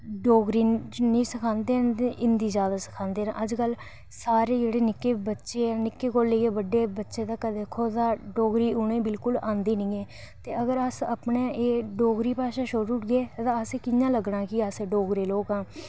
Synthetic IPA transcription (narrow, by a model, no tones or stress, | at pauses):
ɖoːɡɾiːnĩːsəkʰãːnd̪eːnt̪eʔɪnd̪iːzjaːd̪aːsə̥kʰãːnd̪eːnã̰ːʔəd͡ʒkəl | saːɾeːd͡ʒeːɽeːnɪkːeːbətːʃeːaːnɪkːeːkoːleːeːbəɖːeːbətːʃeːt̪aːkəd̪eːkʰːoːt̪ãːɖoːɡɾiːʊnẽːbɪlkʊlãːnd̪iːnəĩːɛː | t̪eːəɡəɾəsəpɳẽːʔeːɖoːɡɾiːpaːʃaːʃoɾuʈɡeːt̪ãːəseːkɪjãːləɡɽãːkɪəseːɖoːɡɾeːloːkãː